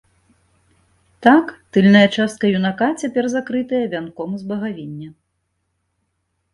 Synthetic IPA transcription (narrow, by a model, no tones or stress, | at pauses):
t̪akt̪ɨlʲnɐjɐt͡ʂast̪̚kɐjunakat͡sʲapʲɛrzakɾɨt̪ɨjɐvʲankɔmzbɐɣavʲinʲːɐ